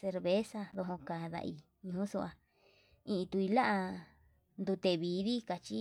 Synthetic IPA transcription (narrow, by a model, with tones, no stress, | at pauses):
se˧ɾβe˦sa˧ðo˧ɦõ˧ka˨ða̰˧ʔi˧ | ɲũ˧ũ˦su˧ʔa˧ | ĩ˧ʔĩ˧t̪u˧i˧la˦ʔa˧ | nd̪u˧t̪e˧βiː˨˦ði˦ka˧t͡ʃi˦